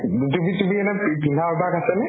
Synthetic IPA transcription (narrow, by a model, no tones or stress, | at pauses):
tumitumiɛnɛpipinʱabʱakasɛnɛ